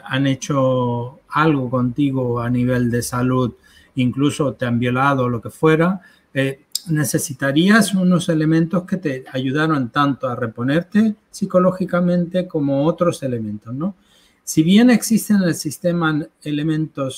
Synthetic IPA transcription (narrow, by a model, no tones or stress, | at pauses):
ane̞t͡ʃo̞ | alɣo̞ko̞nt̪iɣoaniβ̞e̞ld̪e̞saluð | iŋkluso̞t̪eambjo̞lað̞olo̞ke̞fwe̞ɾa | ene̞se̞sit̪aɾiasuno̞se̞le̞mẽnt̪o̞sket̪e̞aʝuð̞aɾo̞nt̪ant̪oare̞po̞ne̞ɾt̪e̞ | siko̞lo̞xikamẽ̞nt̪e̞ko̞mo̞ot̪ɾo̞se̞le̞mẽnt̪o̞sno̞ | siβje̞ne̞ksist̪e̞nelsist̪e̞maele̞mẽ̞nt̪o̞s